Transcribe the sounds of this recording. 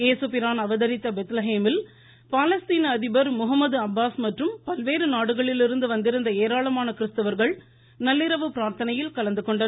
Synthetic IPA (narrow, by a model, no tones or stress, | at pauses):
eːsɯpɪɾaːnɐʋɐðɐɾɪt̪ːɐbɛt̪lɐɦeːmɪl | paːlɐst̪iːnɐːðɪbɐɾmʊɦɐmːɐðɯɐbːaːsmɐʈrɯmpɐlʋeːɾɯnaːɽɯɣɐɭɪlɪɾɯnd̪ɯʋɐnd̪ɪɾɯnd̪ɐeːɾaːɭɐmaːnɐkɪɾɯst̪ɯʋɐɾɣɐɭ | nɐlːɪɾɐʋɯpɪɾaːɾt̪ɐnɐjɪlkɐɭɐnd̪ɯkːɔɳɖɐ